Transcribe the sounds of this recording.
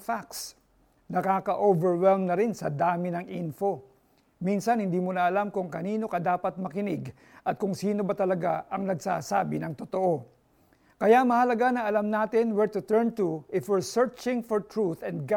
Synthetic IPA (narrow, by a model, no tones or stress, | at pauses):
faks | nɐkaːkɐʔovɛɹwɛlmnɐɾɪnsɐ̰d̪aːmɪnɐŋʔinfo̞ | minsɐnhɪnd̪imunɐʔɐlamkʊŋkɐniːno̞kɐd̪aːpɐt̪̚mɐkɪnɪɡ | ʔɐt̪̚kʊŋsiːno̞bɐt̪ɐlɐɡa̰ʔɐŋnɐɡsa̰ːsa̰ːbɪnɐŋt̪ot̪oʔo̞ | kɐjamɐhɐlɐɡanɐʔɐlamnaːt̪ɪnwɛɹt̪ʊt̪ɛɹnt̪ʊʔɪfwɛɹsɛɹt͡ʃɪ̃ŋfɔɹt̪ɹuθɛ̃nɡa